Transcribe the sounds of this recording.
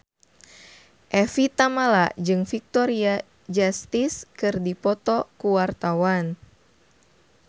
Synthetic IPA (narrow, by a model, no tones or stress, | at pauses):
ʔɛfit̪amalad͡ʒɨŋfik̚t̪ɔɾia | d͡ʒast̪iskɨrdipɔt̪ɔkuwart̪awan